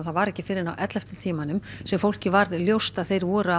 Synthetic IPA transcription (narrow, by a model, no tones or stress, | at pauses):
θaðvaɾɛhcɪ̥fɪːɾɪɾnawʔɛt̪lɛft̪ʏ̥t̪ʰiːmanʏmsɛmfowl̥cɪvaɾðljowst̪aðθejɾvɔːɾʏa